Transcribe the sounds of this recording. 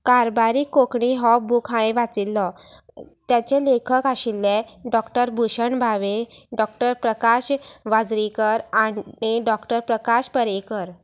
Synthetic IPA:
kaɾbaɾiːkːokɳiɦɔbukʰãjʋat͡silːɔ | t̪jat͡ɕelekʰəkaɕilːeɖɔkʈəɾbʱuɕəɳbʱaʋeɖɔk̚ʈəɾpɾəkaɕʋad͡zɾikəɾaiɖɔkʈəɾpɾəkaɕpəɾekəɾ

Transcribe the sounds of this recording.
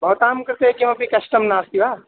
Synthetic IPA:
bʱɐːt̪aːmkɐɾt̪ekimɐ̃pikɐsʈəmnaːst̪iʋaː

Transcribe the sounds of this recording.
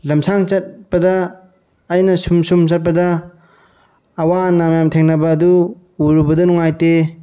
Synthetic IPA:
lɐmsʰaŋt͡ʃɐt̚bɐdɐː | jnɐsumsumt͡ʃɐt̚pɐdɐ | wanamjamtʰeŋnɐbɐːdu | uɾubɐdɐnuŋajte

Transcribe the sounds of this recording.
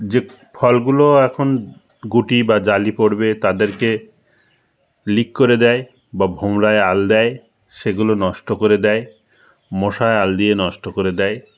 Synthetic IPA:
d͡ʑe | fʰɔlɡuloɛkʰon | ɡuʈibad͡ʑalipoɾbet̪ad̪eɾke | likːoɾed̪ɛe | babʱomɾaeald̪ɛj | ʃeɡulonɔʃʈokoɾed̪ɛe | moʃaeald̪ienɔʃʈokoɾed̪ɛe

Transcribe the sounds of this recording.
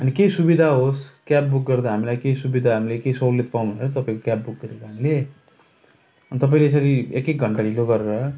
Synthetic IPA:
ʌnikejsubid̪ʱaɦoskjab̚buk̚ɡʌrd̪aɦamilajkejsubid̪ʱaɦamilekejsollet̪̚paw̃neʌt̪ʌpãĩkokjab̚buk̚ɡʌɾekaɦamile | ʌnit̪ʌp̬ãĩlees̬ʌɾiḛkːek̚ɡʱʌɳʈaɾiloɡʌɾeɾʌ

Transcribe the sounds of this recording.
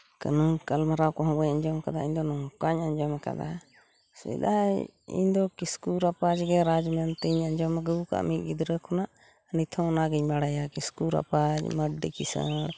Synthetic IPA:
kə̰nunkəlmaɾawkɔ̃ɦɔ̃bəɲəɲd͡ʒɔmkad̪aiɲd̪ɔnɔkaɲəɲd͡ʒɔmka̰d̪a̰ | sɛ̰d̪aḭɲd̪ɔkiskuɾapad͡ʒɡɛɾad͡ʒmɛnt̪iɲəɲd͡ʒɔmɡəuka̰ʔmiɡid̪ɾəkʰunaʔ | nit̪ʰɔnaɡiɲmaɽajakiskuɾa̰pad͡ʒməɖikisə̰ɽ

